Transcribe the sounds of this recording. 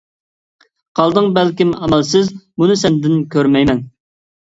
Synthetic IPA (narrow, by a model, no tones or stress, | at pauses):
qʰɑlˠd̪ɨŋbɛlkʲimɑmɛlsɪzmunɨsɛnd̪ɪnkʲøɾmɛjmɛn